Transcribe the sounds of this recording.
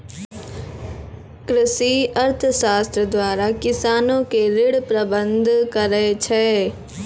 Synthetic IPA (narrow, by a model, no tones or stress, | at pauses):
kɾɪsiɐɾt̪ʰʃaːst̪ɾəd̪waːɾakɪsaːnõkeɾɪɽpɾɐbə̃nd̪ʱkɐɾəet͡ʃʰɛː